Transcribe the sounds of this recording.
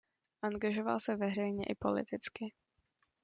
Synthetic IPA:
ʔaŋɡaʒo̞va̰lsɛvɛr̝ɛjɲɛʔɪpo̞̰lɪ̰t̪ɪt͡skɪ

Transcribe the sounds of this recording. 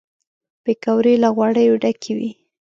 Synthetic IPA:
b̥ekawɾelaɣwaɽəjoɖakʰewḭ

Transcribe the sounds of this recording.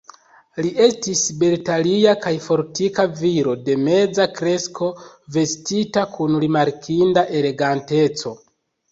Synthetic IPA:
liʔe̞stisbeltaliakajfo̞ɾtikaviɾo̞de̞me̞d͡zakɾe̞skʰo̞ | ve̞stitakʰunɾimaɾkʰindaʔe̞le̞ɡante̞t͡so̞

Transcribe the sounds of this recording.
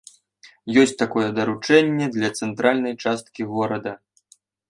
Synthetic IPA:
jɔsʲt͡sʲt̪akɔjɛd̪ɐɾut͡ʂɛnʲːɛd̪lʲɐt̪sɛnt̪ɾalʲnɐjt͡ʂast̪kʲiɣɔɾɐd̪ɐ

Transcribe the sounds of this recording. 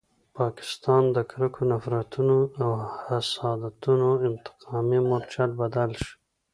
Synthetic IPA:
pɑkɪ̥st̪ɑnd̪əkɾəkʰonafɾat̪unoawhasɑd̪at̪unoɪmt̪ɪ̥qʰɑmimoɾt͡ʃalbad̪alʃ

